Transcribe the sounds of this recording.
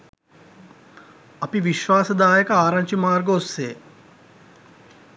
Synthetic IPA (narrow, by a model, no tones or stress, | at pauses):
ɐpiʋiʃʋaːsəd̪aːjəkəaːɾaŋt͡ʃimaːrɡoːsːeː